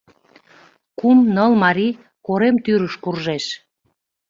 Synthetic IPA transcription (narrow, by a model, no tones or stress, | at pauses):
kumnəlmɑɾi | koɾemt̪yɾəʃkurʒeʃ